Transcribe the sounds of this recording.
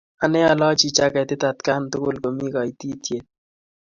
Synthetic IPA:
a˨nɛ˦a˨lɔ˦t͡ʃi˨t͡ʃa˦kɛ˨t̪ɪ˦t̪a˨t̪ka˦nt̪ʊ˦kʊ˦˨lko˨mi˦ka˨it̪i˦tje˨t̚

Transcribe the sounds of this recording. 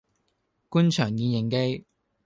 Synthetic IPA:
kuː˥nt͡ʃʰœː˨˩ŋjiː˨˧njɪ˨˩ŋke˥j

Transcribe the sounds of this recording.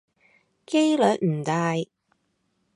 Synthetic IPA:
ke˥jlœː˨˥k̚m̩˨˩t̪aː˨˧j

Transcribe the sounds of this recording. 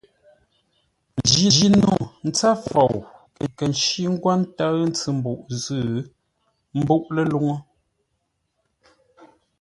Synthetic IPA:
n˨d͡ʒi˦˨d͡ʒi˦nu˨n̩˦t͡sa˦fɔ˨wkə˨kə˨n˨ʃi˦ŋ̩˦ɡwa˦n̩˦ta˦n̩˦t͡sɨ˨m̩˦bu˨ʔzɨ˦˨˦ | m̩˦bu˦ʔlə˨lu˦ŋo˦

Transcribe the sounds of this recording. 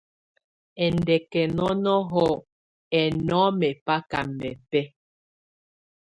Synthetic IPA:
ɛ˨ndɛ˨kɛ˨nɔ˦nɔ˦ɦɔ˦ | ɛ˨nɔ˦mɛ˨pa˦ka˨mːɛ˨pɛ˦

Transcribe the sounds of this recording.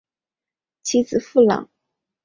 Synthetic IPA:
t͡ɕʰi˧˥d͡zɹ̩˨˩fu˥˩lɑ̰˨˩˦ŋ

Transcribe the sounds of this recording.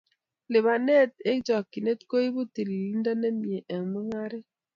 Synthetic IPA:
le˨βa˨nɛ˦˨t̚e˦d͡ʒɔ˨ki˨ne˦tko˦i˦bu˦te˨li˨li˦nda˦ne˦mi˨e˨ʔɛ˨ŋ˨mə˦ŋa˦ɾe˦

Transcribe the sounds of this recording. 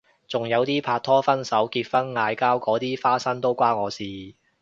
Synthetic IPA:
t͡sʊ˨ŋjɐ˨˧wt̪iː˥pʰaː˧t̪ʰɔː˥fɐ˥nsɐ˨˥wkiː˧t̚fɐ˥nŋaː˨˧jkaː˥wkɔː˨˥t̪iː˥faː˥sɐ˥nt̪o˥wkʷaː˥ŋɔː˨˧siː˨˧

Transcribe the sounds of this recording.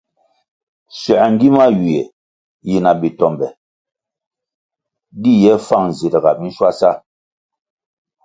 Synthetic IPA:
sɥɛ˨ŋ˦ɡi˦ma˦ji˨e˨ | ji˨na˨bi˨tɔ˨mbɛ˨ | di˦jɛ˦fa˦˨ŋn˨zi˨ɾə˨ɣa˨mi˦n̩˦ʃwa˦sa˦

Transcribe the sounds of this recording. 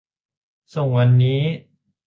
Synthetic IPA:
so˨˩˦ŋwa˧nːiː˦˥

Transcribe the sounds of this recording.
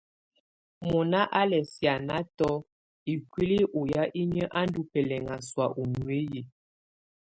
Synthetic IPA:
mɔ˨na˦ʔa˦lɛ˨sja˨na˦tɔ˦ | i˨kwi˦li˦ʔo˨ja˦ʔi˦ɲə˦ʔa˦n˦du˦pɛ˨lɛ˨ŋa˨swa˨ʔu˨nu˨e˦je˨

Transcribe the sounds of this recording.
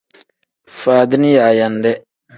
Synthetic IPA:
faː˨dɪ˦nɪ˦ja˨ja˨ndɛ˦

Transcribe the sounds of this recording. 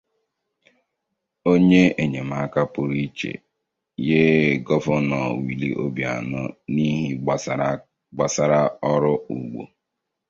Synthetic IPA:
o˦ɲe˦e˨ɲe˨ma˨a˦ka˦pʊ˨ɾi˦t͡ʃḛ˨ | je˦˨ɡɔ˦fʊ˦nɔ˨wi˨li˦ʔo˦bja̰˨nʊ˦ni˦ɦi˦ | ɡ͡ba˨sa˨ɾa˦ɔ˦ɾʊ˦ṵ˨ɡ͡bo̰˨

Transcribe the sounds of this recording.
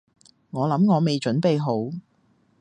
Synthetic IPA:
ŋɔː˨˧lɐ˨˥mŋɔː˨˧me˨jt͡ʃɵ˨˥npe˨jɦo˨˥w

